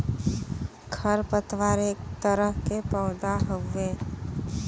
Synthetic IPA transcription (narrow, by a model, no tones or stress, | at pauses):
ɡʰʱəɾpət̪waːɾeːk̚t̪əɾəɦkepəʊd̪aɦoeː